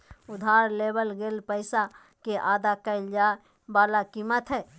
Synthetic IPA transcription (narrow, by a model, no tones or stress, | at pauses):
ʊd̪ʱaːɾleːbəlɡeːlpəɪsa | keʔaːd̪akəɪld͡ʒaː | baːlakiːmət̪ɦɛː